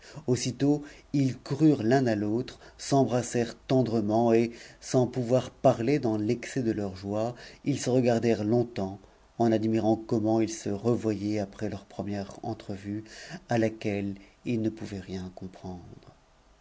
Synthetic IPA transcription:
osit̪oilkuʁyʁlɛ̃nalot̪χsɑ̃bʁasɛʁt̪ɑ̃d̪ʁəmɑ̃esɑ̃puvwaʁpaʁled̪ɑ̃lɛksɛd̪əlœʁʒwailsəʁəɡaʁd̪ɛʁlɔ̃t̪ɑ̃ | ɑ̃nad̪miʁɑ̃kɔmɑ̃ilsəʁəvwajɛapχɛlœʁpχəmjɛʁɑ̰̃t̪χəvyalakʲɛlilnəpuvɛʁjɛ̃kɔ̃pχɑ̃d̪ʁ

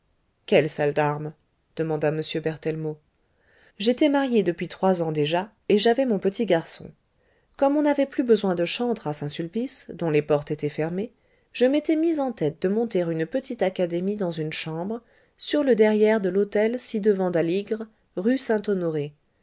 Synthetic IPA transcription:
kʲɛlsald̪aʁm | d̪̥əmɑ̃d̪aməsjøbɛʁt̪ɛlmo | ʒet̪ɛmaʁjed̪əpɥit̪χwazɑ̃d̪eʒa | eʒavɛmɔ̃pət̪ʰiɡaʁsɔ̰̃ | kɔmɔ̃navɛplybəzwɛ̃d̪əʃɑ̃d̪ʁasɛ̃sylpisd̪ɔ̃lepɔʁt̪et̪ɛfɛʁme | ʒ̥əmet̪ɛmizɑ̃t̪ɛt̪̚d̪əmɔ̃t̪eʁynpət̪ʰit̪akad̪emid̪ɑ̃zynʃɑ̃bʁ | syʁləd̪ɛʁjɛʁd̪əlot̪ɛlsid̪əvɑ̃d̪aliɡʁ | ʁysɛ̃t̪ɔnɔʁe

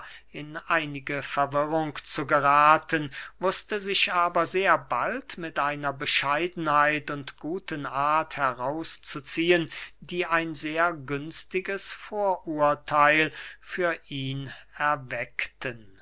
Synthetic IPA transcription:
ɪnʔaɪnɪɡəfɛɐvɪʁʊŋkt͡suɡəʁaːtənmʊstəzɪʃʔaːbɐzeːɐbaltmɪtʔaɪnɐbəʃaɪdn̩haɪtʊntɡ̥uːtənʔaɐthɛʁaʊst͡sut͡siːəndiːʔaɪnzeːɐɡʏnstɪɡəsfoːɐʔuːɐtʰaɪlfyːɐʔiːnɛɐvɛktʰən

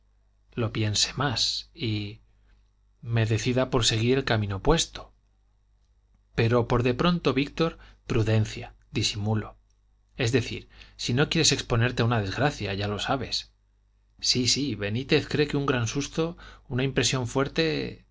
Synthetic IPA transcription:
lo̞pje̞nse̞̥masi | me̞ðe̞θiðapo̞ɾse̞ɣ̞iɾe̞lkamĩno̞pwe̞st̪o̞̥ | pe̞ɾo̞po̞ɾðe̞pɾo̞nt̪o̞βik̚t̪o̞ɾpɾuðe̞nθja | d̪isimulo̞ | e̞zðe̞θḭɾsino̞kje̞ɾe̞se̞kspo̞ne̞ɾt̪e̞aunaðe̞zɣɾaθjaʝalo̞saβ̞e̞s | sisiβe̞nit̪e̞θkɾe̞keuŋɡɾansust̪o̞unaimpɾe̞sjo̞ɱfwe̞ɾt̪e̞

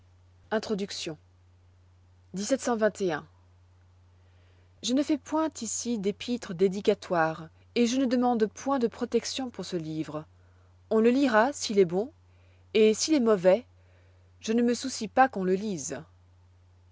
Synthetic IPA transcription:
ɛ̃t̪χɔd̪yksjɔ̃ | d̪isɛt̪sɑ̃vɛ̃t̪eɛ̃ | ʒənəfɛpwɛ̃t̪isid̪epʰit̪χəd̪ed̪ikat̪waːʁ | eʒənəd̪əmɑ̃d̪pwɛ̃d̪əpχɔt̪ɛksjɔ̃puʁsəlivʁ | ɔ̃ləliʁasiːlɛbɔ̃ | esiːlɛmɔvɛ | ʒ̥ənəməsusipakɔ̃ləliz

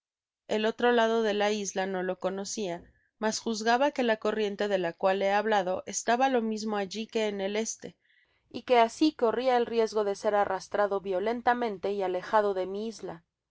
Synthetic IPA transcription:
e̞lo̞t̪ɾolaðo̞ðe̞laizlano̞lo̞ko̞no̞sia | masxuzɣaβake̞lako̞rje̞nt̪e̞ðe̞lakwale̞aβlaðo̞ʔe̞st̪aβalo̞mizmo̞aʝike̞ːne̞le̞st̪e̞ | ike̞asiko̞riaelrje̞zɣo̞ðe̞se̞ɾarast̪ɾaðo̞βjo̞le̞nt̪amẽ̞nt̪e̞iale̞xað̞o̞ðe̞miizla

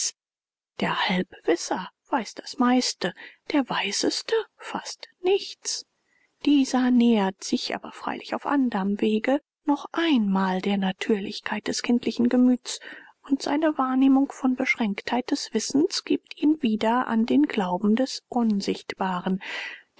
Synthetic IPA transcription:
d̥eːɐhalpv̥ɪsɐv̥aɪsd̥ḁsmaɪstəd̥eːɐvaɪzəstəfastnɪçt͡s | d̥iːzɐnɛːɐtz̥ɪçʔa̰ːbɐfʁ̥a̰ɪlʔɪça̰ʊfʔandəʁəmveːɡə | nɔχʔaɪnmaːldeːɐnatʰyːɐlɪçkʰaɪt̚d̥ɛskʰɪntʰlɪçn̩ɡəmyːt͡s | ʊntz̥a̰ɪnəvaːɐneːmʊŋkfɔnbəʃʁ̥ɛŋkthaɪt̚d̥ɛsv̥ɪsn̩sɡ̥iːp̚tʰiːnviːdɐʔa̰ndeːnɡ̥laʊbm̩dɛsʔʊnzɪçtb̥aːʁən

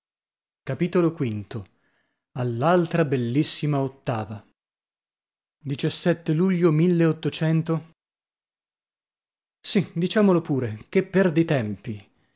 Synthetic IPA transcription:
kapit̪olokwint̪o | alːalt̪ɾabelːisːimaot̪ːaːva | d̪it͡ʃasːɛt̪ːeluʎːomilːeot̪ːot͡ʃɛnt̪o | sid̪it͡ʃaːmolopuːɾekepːerd̪it̪ɛmpi

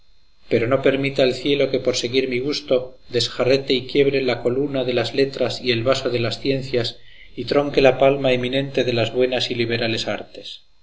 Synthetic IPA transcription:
pe̞ɾo̞no̞pe̞ɾmit̪aelθje̞lo̞ke̞po̞ɾse̞ɣiɾmiɣ̞ust̪o̞ðe̞sxaret̪e̞ikje̞βɾe̞lako̞lunaðe̞lazle̞t̪ɾasie̞lβaso̞ðe̞lasθje̞nθjas | it̪ɾo̞ŋke̞lapalmaemĩnẽ̞nt̪e̞ðe̞lazβwe̞nasiliβ̞e̞ɾale̞saɾt̪e̞̥s

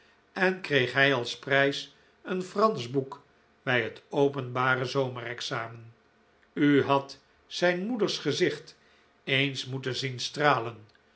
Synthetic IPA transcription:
ɛnkrejχɦɛjɑlˠsprɛjs | ənfrɑnzbuk | b̥ɛjɦətowpənbaːrəzowmərɛksaːmən | yɦɑt | sɛjnmudəɹsχəzɪχt | ejnsmutənzinstraːlən

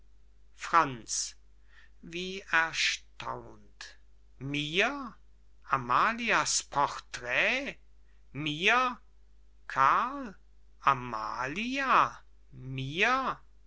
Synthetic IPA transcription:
fʁ̥ant͡s | viːɛɐʃtʰa̰ʊnt | miːɐ | ʔamaːliaspʰɔʁtʁ̥ɛː | miːɐ | kʰal | ʔama̰ːlia | miːɐ

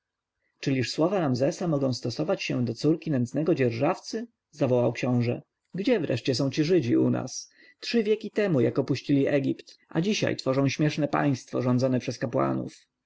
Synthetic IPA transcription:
t͡ʂɘlʲiʂswɔvaɾamzɛsamɔɡɔ̃w̃st̪ɔsɔvat͡ɕɕɛ̰d̪ɔt̪suɾkʲinɛnsnɛɡɔd͡ʑɛɾʐaft̪sɘ | zavɔwawkɕɔ̃w̃ʐɛ̰ | ɡd͡ʑɛvɾɛ̰ʂt͡ɕɛsɔ̃w̃t͡ɕiʐɘd͡ʑiuna̰s | tʂɘvʲjɛkʲit̪ɛmujakɔpuɕt͡ɕilʲiʔɛɡʲipt̪ʔa̰d͡ʑiɕa̰jt̪fɔʐɔ̃w̃ɕmʲjɛʂnɛpa̰j̃st̪fɔ̰ʐɔnd̪zɔnɛpʂɛskapwa̰nṵf

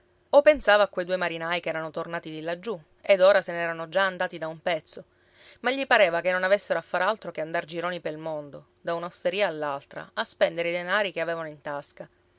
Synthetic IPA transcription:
opensaːvaːkːwejd̪uːemaɾinajkɛːɾanot̪ornaːt̪id̪ilːad͡ʒːu | ed̪oːɾasenɛːɾanod͡ʒaand̪aːt̪id̪aumpɛt̪sːo | maʎːipaɾeːvakenːonavesːeɾoafːaɾalt̪ɾokeand̪ard͡ʒiɾoːnipelmond̪o | d̪aunawst̪eɾiːaːlːalt̪ɾa̰aspɛnd̪eɾeid̪enaːɾikeaveːvanoint̪aska

